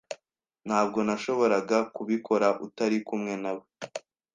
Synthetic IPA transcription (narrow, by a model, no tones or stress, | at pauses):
n̥haːb̚ɡo̞naʃo̞βo̞ɾaɡakuβikʰo̞ɾaʔutaɾikumŋe̞nawe